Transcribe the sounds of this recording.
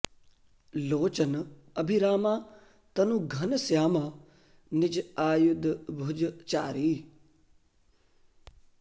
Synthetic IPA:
loːt͡ʃən | ɐbʱiɾaːmaː | t̪ɐnũːɡʱɐnsjaːmaː | nɪd͡ʒaːjʊd̪bʱʊd͡ʒt͡ʃaːɾiː

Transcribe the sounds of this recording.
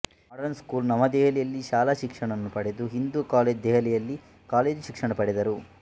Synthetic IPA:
mɐɽɐnskuːlnɐmɐd̪ɛɦɐlɛjɐlːiʃaːlaːʃikʂɐɳɐnːupɐɽed̪uɦind̪ukaːleːd͡ʒd̪ɛɦɐlɛjɐlːi | kaːle̞ːd͡ʒʃikʂɐɳɐpɐɽed̪ɐɾu

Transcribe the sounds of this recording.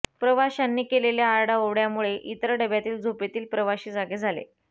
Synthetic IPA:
pɾəʋaɕanːiːkeleljaːɾɽaoʋɽjamuɭeʔit̪ɾəɖəbjat̪iːld͡zʱupet̪iːlpɾəʋaɕiːd͡zaɡed͡zʱalḛ

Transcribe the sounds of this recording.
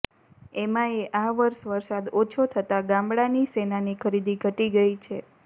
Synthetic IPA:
emãeʔaʋəɾʃʋəɾsad̪ot͡ʃʰot̪ʰət̪aɡãmbɭanisenanikʰəɾid̪iɡʱəʈiɡəit͡ʃʰe

